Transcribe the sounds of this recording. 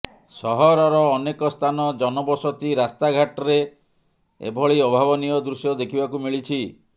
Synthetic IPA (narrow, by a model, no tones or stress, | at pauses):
sɔɦɔɾɔɾɔːnekɔst̪ʰanɔd͡ʒɔnɔbɔsɔt̪iɾast̪aɡʱaʈɔɾe | ḛbʱɔɭiɔbʱaβɔnijɔd̪ɾusjɔd̪ekʰibakumiɭit͡ʃʰi